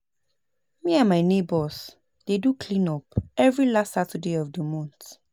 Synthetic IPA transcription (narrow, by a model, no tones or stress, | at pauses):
miãnmaɪnebɔs | d̥edukʰlĩnɔpɛvɹilastːatədeɔvdəmɔ̃nt